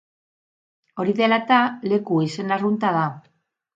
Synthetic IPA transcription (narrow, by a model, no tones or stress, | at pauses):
o̞ɾiðe̞lat̪ale̞kuisenarunt̪aða